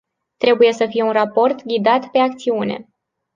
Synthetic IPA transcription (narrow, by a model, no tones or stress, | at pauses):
t̪ɾe̞buje̞səfije̞unrapo̞rt̪ɡʲid̪at̪pe̞akt̪siune̞̰